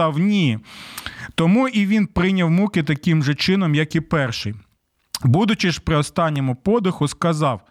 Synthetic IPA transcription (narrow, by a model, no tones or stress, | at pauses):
ɐwnʲi | t̪ɔmuʔiʋʲinpɾɪnʲɐwmukɪt̪ɐkʲɪmʒɛt͡ʃɪnɔmjɐkipɛrʃɪj | bud̪ʊt͡ʃɪʒpɾɪɔst̪ɑnʲːɔmʊpɔd̪ɪxʊskɐzɑw